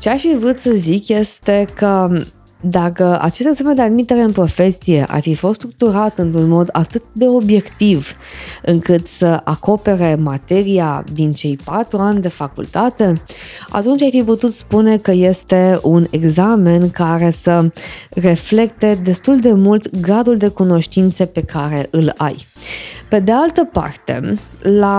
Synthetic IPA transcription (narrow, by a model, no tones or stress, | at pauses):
t͡ʃeaʃivɨt̪səzikje̞st̪e̞kə | d̪akəa̰t͡ʃest̪eɡz̥ame̞nd̪ead̪mit̪e̞ɾe̞ɨnpɾo̞fe̞sije̞̰ʔa̰rfifo̞st̪st̪ɾuk̚t̪uɾat̪ɨnt̪ɾunmo̞d̪at̪ɨt̪d̪e̞o̞bje̞kt̪iv | ɨŋkɨt̪səʔako̞pe̞ɾe̞mat̪e̞ɾia̰d̪int͡ʃe̞jpat̪ɾuanʲd̪e̞fakṵlt̪at̪e̞a̰t̪unt͡ʃajfiput̪ut̪spune̞kəje̞st̪e̞une̞ɡzame̞nkaɾe̞səre̞fle̞k̚t̪e̞d̪e̞st̪uld̪e̞mult̪ɡɾad̪uld̪e̞kuno̞ʃt̪int̪sepe̞kʰaɾe̞ʔɨla̰jpe̞d̪e̞alt̪əpa̰rt̪e̞̰la